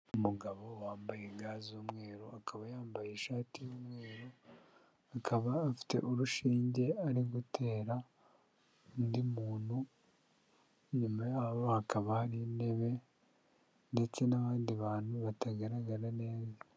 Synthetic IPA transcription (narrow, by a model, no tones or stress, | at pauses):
umuɡaβo̞waːmbajeŋɡaːzuːmŋe̞ːɾoakʰaβajaːmbajeʃaːtijoːmŋe̞ːɾo | akaβaːfi̥te̞̰ʔuɾuʃiːɲɟe̞aɾiɡutʰe̞ːɾa | ndimuːnhu | ɲumajaβohakaβahaɾine̞βe̞ | nde̞t͡se̞naβaːndiβaːnhuβataɡaɾaɡaɾane̞ːza